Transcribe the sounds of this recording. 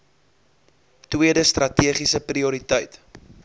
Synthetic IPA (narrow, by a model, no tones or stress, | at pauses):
twiədəst̪rɐtiəχisəpriuɾitəjt